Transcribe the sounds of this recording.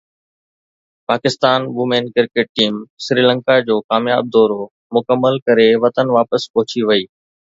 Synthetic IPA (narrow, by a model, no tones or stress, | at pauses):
paːkɪst̪aːnʋʊmẽːnkɪɾkeːʈ̚ʈiːmsɾiːlə̃ŋkad͡ʑoːkaːmja̰ːb̚d̪ɔːɾo | mʊkəmːəlkɐɾeʋɐt̪ənʋaːpəspɔɦʊt͡ɕiʋɐiː